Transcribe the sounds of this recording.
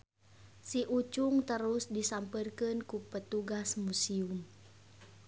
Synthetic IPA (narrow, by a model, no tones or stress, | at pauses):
siʔut͡ʃuŋt̪əɾusdisampərkɨnkupət̪uɡasmusium